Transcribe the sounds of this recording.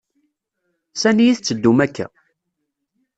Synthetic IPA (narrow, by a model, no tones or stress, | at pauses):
sænijiθt͡sːəd̪ːumækːæ̰